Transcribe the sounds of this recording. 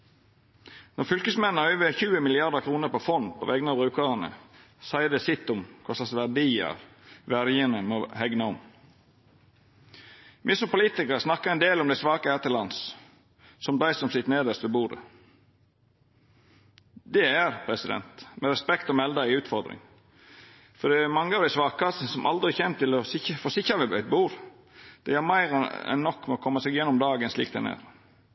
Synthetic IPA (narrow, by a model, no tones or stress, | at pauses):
nɔɾfʏlkəsmɛn̩ːɑœʏʋeçʉːəmɪlɪɑd̪əkʰɾuːnəɾpɔfɔnpʰɔ̰ʋɛɡnɑbɾʉːkəʁənə̰ | sæɪəd̪ɛsɪt̪ːʊmkʰɔsɑsʋæɖiːə̰ʁ | ʋæɾjənəmohɛɡnɑɔm | mʔɪsɔmpʊliːt̪ɪkəɾsnɑkːəɾɛɪnd̪eːlɔmd̪æɪsʋɑːkəhæːt̪ʰɪlɑns | sɔmd̪æɪsɔmsɪt̪neːd̪əst̪ʋɛbuːd̪ə̰ | d̪ɛæɾpʰɾɛsɪd̪ɛ̰nt̪mɛɾɛspɛkt̪ɔmɛld̪ɑɪʉːt̪fɔɾd̪ɾɪ̰ŋ | fɔd̪ɛæmɑŋːəɑʋd̪æɪsʋɑːkɑsəsɔmʔɑ̰ld̪ɾɪçent̪ːɪlɔsɪfɔsɪçɑʋɛbœʏt̪̚buːɾ | d̪̥ɛjæɾmæɪɾɛ̰nːɔkːmɛɔkʰɔmːəsɛːɡjɛnːɔmd̪ɑːɡənslḭːk̚d̪æ̰næ̰ɾ